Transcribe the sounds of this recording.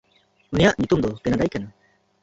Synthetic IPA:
unijaʔɲut̪umd̪ɔkɛnad̪ajkana

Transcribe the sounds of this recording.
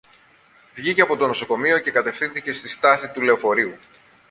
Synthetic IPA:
vʝice̞ɐpo̞t̪o̞no̞so̞ko̞mio̞ce̞kɐt̪e̞fθinθice̞st̪ist̪ɐsit̪ule̞o̞fo̞ɾiu

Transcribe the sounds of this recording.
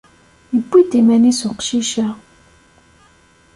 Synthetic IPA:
jəbːid̪imænisʊqʃiʃæ

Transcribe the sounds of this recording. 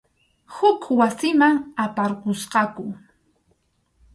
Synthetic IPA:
hʊkʰwasɪmaŋapaɾqosqɑkʊ

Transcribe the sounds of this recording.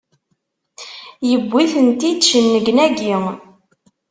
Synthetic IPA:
jəbʷːiθənt̪id̪ʃənːəɡnæɡiŋ

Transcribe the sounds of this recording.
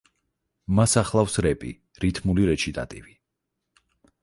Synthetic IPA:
masaχlˠafsɾɛpʼḭ | ɾit̪ʰmuliɾɛt͡ʃʰid̪ʼa̰t̪ʼivi

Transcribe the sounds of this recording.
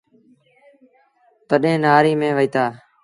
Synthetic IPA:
t̪əɗẽːnaːɾiːmẽːʋəiːt̪aː

